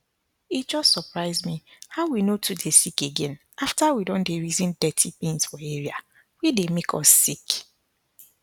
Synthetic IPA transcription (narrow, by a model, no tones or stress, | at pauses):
itd͡ʒɔstsɔpɹaɪzmihaʊwinotʰudesikeɡɛ̃n | aftawidɔ̃ndeɹizĩndɛtʰipĩnsfɔeɹia | widemekʰɔ̰sːik